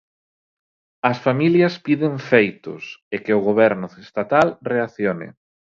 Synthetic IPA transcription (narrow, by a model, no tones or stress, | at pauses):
ɐsfamiljɐspiðeɱfejt̪ʊ̰sekɪʊɣoβ̞ɛɾnʊest̪at̪alreaθjonɪ̰